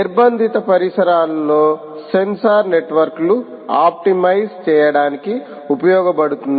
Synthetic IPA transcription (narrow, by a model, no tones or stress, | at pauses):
iɾbɐnd̪ʱit̪ɐpɐɾisɐɾaːlɐlo̞ː | se̞nsaːɾne̞ʈʋɐɾklu | aːp̚ʈimɐjst͡ʃɛːjɐɽaːniki | upɐjɔːɡɐpɐɽut̪und̪